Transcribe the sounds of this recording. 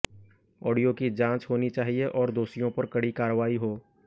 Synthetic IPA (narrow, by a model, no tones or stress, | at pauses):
ɔːɖijokid͡ʒãːt͡ʃɦoːnit͡ʃaːɦieʔɔːɾd̪oːsijõpɐɾkɐɽikaːɾəʋaːiɦoː